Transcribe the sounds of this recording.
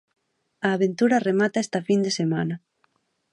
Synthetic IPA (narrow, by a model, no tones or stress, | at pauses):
aːβent̪uɾɐremat̪aest̪ɐfind̪esemanɐ